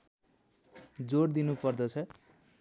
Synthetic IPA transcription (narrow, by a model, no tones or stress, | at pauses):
d͡zoɽd̪inupʌrd̪ʌt͡sʰʌ